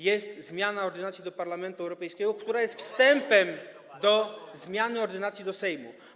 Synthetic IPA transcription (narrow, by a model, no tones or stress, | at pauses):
jɛst̪zmʲjanaɔɾd̪ɘnat̪ʲjid̪ɔpaɾlamɛnt̪uɛwɾɔpɛjskʲɛɡɔkt̪uɾajɛst̪fst̪ɛmpɛm | d̪ɔzmʲjanɘɔɾd̪ɘnat̪sʲjid̪ɔsɛjmṵ